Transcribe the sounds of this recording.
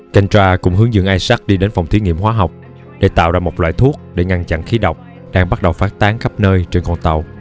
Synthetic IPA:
ka˧jŋt͡ɕwaː˧kʊ̰˧˥ŋ͡mɦɨ˨˦əŋzɨ̰˧˨ŋʔaː˧jsa˦˥t̚ɗi˧ɗe˨˦nfa˨˩wŋ͡mt̪ʰi˨˦ŋḭ˧əmɦwaː˨˦ɦa˨˩wk͡p̚ | ɗe˧˩t̪a̰ː˧˨wzaː˧˩mo˨˩t̚la̰ː˧˨jt̪ʰu˦˥ək̚ɗe˧˩ŋa˧nt͡ɕa̰˧˨nxi˨˦ɗə˨˩wk͡p̚ | ɗaː˧ŋɓa˦˥t̚ɗə˨˩wfaː˦˥t̚t̪aː˨˦ŋxə˦˥p̚nəː˧jt͡ɕe˧nkɔ˧nt̪ə˨˩w

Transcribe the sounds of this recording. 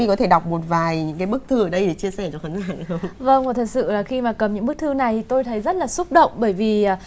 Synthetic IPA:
i˧kɔ˨˦t̪ʰe˧˩ɗa˨˩wk͡p̚mo˨˩t̚vaː˨˩jɲɨ̰˧˥ŋkaː˨˦jɓɨ˦˥k̚t̪ʰɨ˧˩ə˨˩ɗə˧jɗe˧˩t͡ɕi˧əsɛ˧˩t͡ɕɔ˧xaː˨˦ŋaː˧˩˨xə˧wŋ͡mvə˧ŋŋ͡mvt̪ʰə˨˩t̚sɨ̰˧˨laː˨˩xi˧maː˨˩kə˨˩mɲɨ̰˧˥ŋ˥ɨ˦˥k̚t̪ʰɨ˧na˨˩jt̪ʰi˨˩t̪o˧jt̪ʰə˨˦jzə˦˥t̚laː˨˩su˦˥k͡p̚ɗə̰˧˨wŋ͡mɓəː˧˩jviː˨˩˨

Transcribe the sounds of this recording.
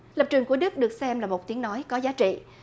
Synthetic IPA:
lə˨˩p̚t͡ɕɨ˨˩əŋku˧˩əɗɨ˦˥k̚ɗɨ˨˩ək̚sɛ˧mlaː˨˩mo˨˩t̚t̪i˨˦əŋnɔ˨˦jkɔ˨˦zaː˨˦t͡ɕḭ˧˨

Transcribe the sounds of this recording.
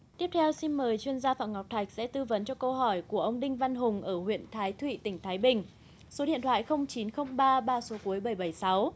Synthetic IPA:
t̪i˦˥əp̚t̪ʰɛ˧wsi˧nməː˨˩jt͡ɕwi˧ənzaː˧fa̰ː˧˨ŋ͡mŋa˨˩k͡p̚t̪ʰa˨˩jk̟̚sɛ̰˧˥t̪ɨ˧və˨˦nt͡ɕɔ˧kə˧wɦɔ˧˩jku˧˩əʔə˧wŋ͡mɗï˧ŋ̟va˧nɦʊ˨˩ŋ͡mʔəː˧˩hwḭ˧˨ənt̪ʰaː˨˦jt̪ʰwḭ˧˨t̪ï˧˩ŋ̟t̪ʰaː˨˦jɓï˨˩ŋ̟ | so˨˦ɗḭ˧˨ənt̪wa̰ː˧˨jxə˧wŋ͡mt͡ɕi˨˦nxə˧wŋ͡mɓaː˧ɓaː˧so˨˦ku˨˦əjɓə˧˩jɓə˧˩jsa˨˦w

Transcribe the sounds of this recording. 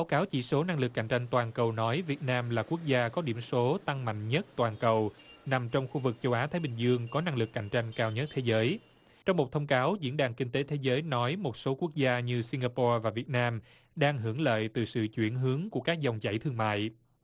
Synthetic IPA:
ɓaː˨˦wkaː˨˦wt͡ɕḭ˧˩so˨˦na˧ŋlɨ˨˩kːa̰˧˩jŋ̟t͡ɕa˧jŋ̟t̪waː˨˩nkə˨˩wnɔ˨˦jvi˨˩ət̚naː˧mlaː˨˩ku˦˥ək̚zaː˧kɔ˨˦ɗi˧˩əmso˨˦t̪a˧ŋma̰˧˨jŋ̟ɲə˦˥t̚t̪waː˨˩nkə˨˩wna˨˩mt͡ɕɔ˧wŋ͡mxu˧vɨ˨˩k̚t͡ɕə˧wʔaː˨˦t̪ʰaː˨˦jɓï˨˩ŋ̟zɨ˧əŋkɔ˨˦na˧ŋlɨ˨˩kːa̰˧˩jŋ̟t͡ɕa˧jŋ̟kaː˧wɲə˦˥t̚t̪ʰe˨˦zəː˨˦j | t͡ɕɔ˧wŋ͡mmo˨˩t̚t̪ʰə˧wŋ͡mkaː˨˦wzḭ˧˥ənɗaː˨˩ŋkï˧ŋ̟t̪e˨˦t̪ʰe˨˦zəː˨˦jnɔ˨˦jmo˨˩t̚so˨˦ku˦˥ək̚zaː˧ɲɨ˧si˧ŋɡaː˧pɔ˧vaː˨˩vi˨˩ət̚naː˧m | ɗaː˧ŋɦɨ˧˩əŋlə̰ː˧˨jt̪ɨ˨˩sɨ̰˧˨t͡ɕwi˧˩ənɦɨ˨˦əŋku˧˩əkaː˦˥k̚zɔ˨˩wŋ͡mt͡ɕa̰˧˩jt̪ʰɨ˧əŋma̰ː˧˨j

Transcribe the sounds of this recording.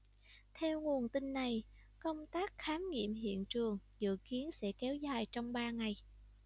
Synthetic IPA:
t̪ʰɛ˧wŋu˨˩ənt̪i˧nːa˨˩j | kə˧wŋ͡mt̪aː˦˥k̚xaː˨˦nŋḭ˧˨əmɦḭ˧˨ənt͡ɕɨ˨˩əŋzɨ̰˧˨ki˨˦ənsɛ̰˧˥kɛ˨˦wzaː˨˩jt͡ɕɔ˧wŋ͡mɓaː˧ŋa˨˩j

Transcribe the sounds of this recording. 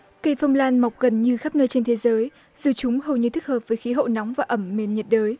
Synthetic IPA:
kə˧˩jfə˧wŋ͡mlaː˧nma˨˩wk͡p̚ɣə˨˩nɲɨ˧xa˦˥p̚nəː˧jt͡ɕe˧nt̪ʰe˨˦zəː˨˦j | zɨ˨˩t͡ɕʊ˨˦ŋ͡mhə˨˩wɲɨ˧t̪ʰɨ˦˥k̚həː˨˩p̚vəː˨˦jxi˨˦ɦə̰˧˨nɔ˨˦wŋ͡mvaː˨˩ʔə˧˩mme˨˩nɲə˨˩t̚ɗəː˨˦j

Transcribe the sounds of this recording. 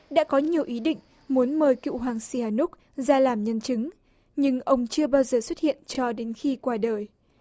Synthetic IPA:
ɗa̰ː˧˥kɔ˨˦ɲi˨˩əwʔi˨˦ɗḭ˧˨ŋ̟ | mu˨˦ənməː˨˩jkḭ˧˨ɦwaː˨˩ŋsi˧˩haː˨˩nʊ˦˥k̚ | zaː˧laː˨˩mɲə˧nt͡ɕɨ˨˦ŋ | ɲɨ˧ŋʔə˧wŋ͡mt͡ɕɨ˧əɓaː˧wzəː˨˩swə˦˥t̚hḭ˧˨ənt͡ɕɔ˧ɗe˨˦nxi˧kwaː˧ɗəː˨˩j

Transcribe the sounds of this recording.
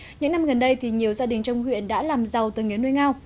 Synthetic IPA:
ɲɨ̰˧˥ŋna˧mɣə˨˩nɗə˧jt̪ʰi˨˩ɲi˨˩əwzaː˧ɗï˨˩ŋ̟t͡ɕɔ˧wŋ͡mhwḭ˧˨ənɗa̰ː˧˥laː˨˩mza˨˩wt̪ə˨˩ŋi˨˩˦nu˧jŋaː˧w

